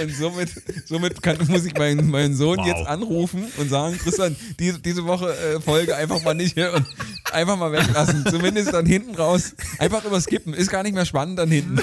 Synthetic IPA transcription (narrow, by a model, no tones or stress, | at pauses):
ʊntz̥oːmɪt | z̥oːmɪtkanmʊsɪçmaɪnəmaɪnənzoːnjɛt͡stʔanʁuːfn̩ʊntz̥aːɡŋ̩kʁ̥ɪstjand̥iːzd̥iːzəvɔχəʔɛːfɔlɡəʔaɪnfaχmaːlnɪthiːɐʊntʔa̰ɪnfaχmaːlvɛklasn̩t͡sumɪndəstd̥anhɪntn̩ʁaʊsʔa̰ɪnfaχʔyːbɐskɪpm̩ɪst̚ɡ̥aːɐnɪçtmeːɐʃpanənt̚d̥anhɪntn̩